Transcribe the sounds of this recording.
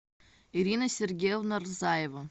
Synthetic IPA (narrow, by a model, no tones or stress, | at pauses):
iɾʲinasʲerɡʲejovnarzaːjeva